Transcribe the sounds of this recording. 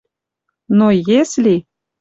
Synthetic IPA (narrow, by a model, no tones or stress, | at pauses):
nojeslʲi